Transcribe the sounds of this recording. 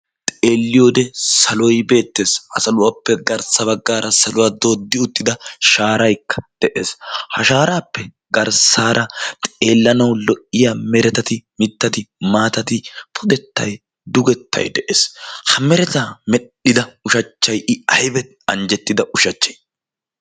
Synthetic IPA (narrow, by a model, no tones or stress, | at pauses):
t̪ʼe̞ːlːɪjoːd̪ɛsɐlɔjbe̞ːt̪ːe̞ːsʔɐ̰sɐlʊwaːpːɛɡɐɾsɐβɐɡːaːɾɐsɐlʊwaːd̪o̞ːd̪ːɪʊt̪ːɪd̪ɐʃaːɾɐjkːɐ̥d̪̥ɛʔeːshɐʃaːɾaːpːɛ | ɡɐɾsaːɾʔɐt̪ʼe̞ːlːɐnɐwlɔʔːɪjaːmɛɾɛt̪ɐt̪ɪmɪt̪ːɐt̪ɪmaːt̪ɐt̪ɪpʰʊd̪ɛt̪ːɐ̰j | d̪ʊɡɛt̪ʰːɐ̰jd̪ɛʔeːshɐmɛɾɛt̪aːmɛɗɪd̪ɐʊʃɐt͡ʃːɐjʔɪɐjbɛ | ɐ̰nd͡ʒɛt̪ːɪd̪ɐʔʊʃɐt͡ʃːɐj